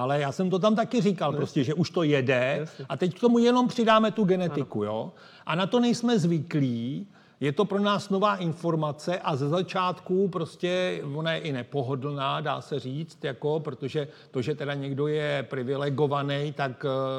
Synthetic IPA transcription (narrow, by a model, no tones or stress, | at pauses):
ʔalɛjaːsɛmt̪o̞t̪̬amt̪akɪrɪkalpɾo̞scɛʒɛʔuʃt̪o̞jɛdɛʔat̪ɛckt̪o̞mujɛno̞mpr̝̥ɪdaːmɛt̪uɡɛnɛt̪ɪkujoː | ʔanat̪o̞nɛjsmɛzvɪkliː | jɛt̪o̞pɾo̞naːsno̞vaːʔɪnfo̞ɾmat͡sɛʔazɛzat͡ʃaːt̪kupɾo̞scɛvo̞najɛʔɪnɛpo̞ɦodl̩naːda̰ːsɛriːt͡st̪jako̞pɾo̞t̪o̞ʒɛ | t̪o̞ʒɛt̪ɛdaɲɛɡdo̞jɛpɾɪvɪlɛɡo̞vanɛjt̪ak